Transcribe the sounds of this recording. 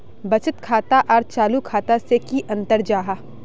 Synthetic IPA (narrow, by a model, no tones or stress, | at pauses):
bɐt͡ʃɪt̪kʰaːt̪aʔɔːɾt͡ʃaːlukʰaːt̪asekiʔɐ̃nt̪əɾd͡ʒaːɦaː